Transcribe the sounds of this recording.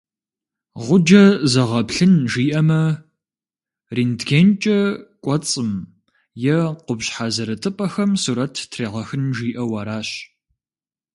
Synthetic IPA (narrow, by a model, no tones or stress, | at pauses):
ʁʷʊd͡ʒɐzɐʁɐpɬɨnʒiːʔɐmɐ | riːndɡeːnt͡ʃʼɐkʷʼɔt͡sʼɨm | jɛqʊbɕħazɐɾɐtʰʼɨpʼɐxɐmsuːɾɐtʰtʰreːʁɐxɨnʒiːʔɐwɐɾaːɕ